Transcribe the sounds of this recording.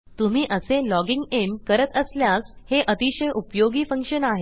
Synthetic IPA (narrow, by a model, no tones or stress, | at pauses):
t̪um̤iːʔəselɔɡiŋɡenkəɾət̪əsljasheʔət̪iɕəjʔupjoɡiːfəŋkʂənaɦe